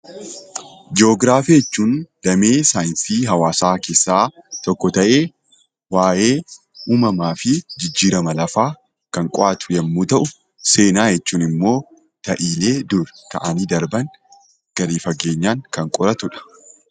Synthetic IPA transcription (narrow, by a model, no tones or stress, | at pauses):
d͡ʒɪo̞ːɡɾaːfiɛt͡ʃːuːnd̪̥ɐme̞ːsaːjɪnsiːɦɐwaːsaːke̞ːsːaːt̪ɔkːɔt̪ɐʔe̞ː | waːʔe̞ː | uːmɐmaːfɪd͡ʒɪd͡ʒːiːɾɐmɐlɐfaː | kɐŋkʼɔʔat̪ʊ̥jɐmːuːt̪ɐʔʊ | se̞ːnaːjɛt͡ʃːuːnɪmːo̞ː | t̪ɐʔiːle̞ːd̪ʊɾk̪ɐʔɐniːd̪ɐɾbɐŋ | ɡ̥ɐɾiːfɐɡe̞ːɲːaːŋkɐŋkʼɔɾɐt̪ʊᶑɐ̥